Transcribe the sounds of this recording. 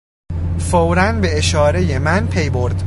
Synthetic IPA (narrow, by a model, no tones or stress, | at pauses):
fowɾænbe̞eʃɒːɾe̞je̞mænpʰe̞jbo̞ɾd̪